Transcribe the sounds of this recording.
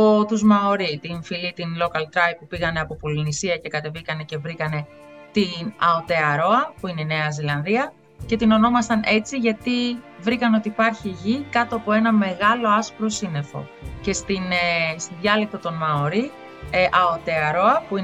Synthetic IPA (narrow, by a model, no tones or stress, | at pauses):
ot̪uzmɐoɾit̪infilit̪inlo̞kɐlt̪ɾɐjp̚pːupiɣɐne̞ɐpo̞polinisiɐce̞kɐt̪e̞vikɐne̞ce̞vɾikɐne̞ | t̪inɐot̪e̞ɐɾo̞ɐpuine̞ine̞ɐzilɐnðiɐ | ce̞t̪ino̞no̞mɐst̪ɐnʔe̞t͡siʝɐt̪i | vɾikɐneot̪iːpɐɾçiʝikɐt̪o̞ɐpo̞e̞nɐme̞ɣɐlo̞ɐspɾo̞sine̞fo̞̰ | ce̞st̪inst̪iðʝɐlik̚t̪ɐt̪o̞nmɐoɾi | ʔɐot̪e̞ɐɾo̞ɐpui